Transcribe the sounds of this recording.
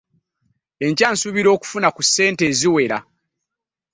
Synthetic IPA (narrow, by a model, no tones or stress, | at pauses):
e̞ɲcaːnsuβiɾo̞ːku̥funakusːe̞ːnte̞ːziwe̞ɾa̰